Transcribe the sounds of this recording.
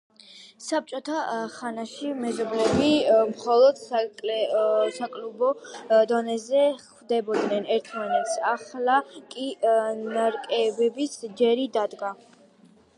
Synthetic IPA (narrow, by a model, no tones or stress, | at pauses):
sap̚t͡ʃʼɔt̪ʰaχanaʃimɛzɔblɛbimχɔlˠɔd̪ʼ | sakʼlubɔd̪ɔnɛzɛχd̪ɛbɔd̪nɛnɛɾt̪ʰmanɛt̪sʰaχlˠakʼinaɾkʼɛbɛbisd͡ʒɛɾid̪ad̪ɡa